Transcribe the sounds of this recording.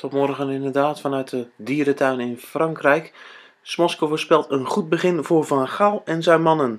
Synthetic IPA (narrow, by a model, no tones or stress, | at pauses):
tɔtmɔrɣənɪndədaːtfɑnœɥt̚dədiːɾətʰœɥnɪnfraŋkrɛjk | smɔskovəspɪlˠtənχut̚bəχɪnvovanxalˠɛnzɛjmɑnən